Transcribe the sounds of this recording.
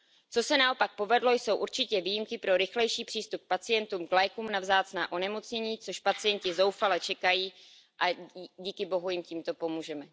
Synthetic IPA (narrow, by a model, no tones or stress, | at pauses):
t͡so̞sɛnao̞pak̚po̞vɛdlo̞jso̞wʔuɾt͡ʃɪcɛviːjimkɪpɾo̞ɾɪxlɛjʃiːpr̥iːst̪up̚k̚pat͡sɪjɛnt̪uːmklajkuːmnavzaːt͡snaːʔo̞nɛmo̞t͡sɲɛɲiːt͡soʃpat͡sɪjɛncɪzo̞wfalɛt͡ʃɛkajiː | ʔaɟiːkɪbo̞ɦujɪmciːmt̪o̞po̞muːʒɛmɛ